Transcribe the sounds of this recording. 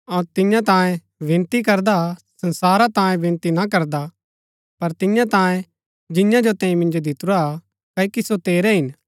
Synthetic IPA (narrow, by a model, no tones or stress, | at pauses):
ɔɾt̪ɪ̃jãt̪ãːjẽ | bʱɪ̃nt̪ikɐɾd̪asɐ̃nsaːɾat̪ãːjẽbʱɪ̃nt̪inakɐɾd̪a | pɐɾt̪ɪjãt̪ãːjẽ | d͡ʒɪ̃jãd͡ʒot̪ɛ̃ːĩmɪ̃nd͡ʒod̪ɪt̪ʊɾa | kɐikisot̪eːɾɛɦɪn